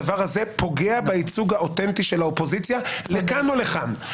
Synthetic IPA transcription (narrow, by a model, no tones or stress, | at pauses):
vaʁhazepo̞ɡeabait͡suɡhaot̪e̞nt̪iʃe̞laopo̞zit͡sjalekanoleχan